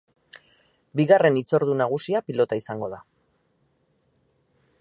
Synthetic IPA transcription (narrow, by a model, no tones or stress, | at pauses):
biɣare̞nit͡so̞ɾðunaɣ̞usiapilo̞t̪aisaŋɡo̞ð̞a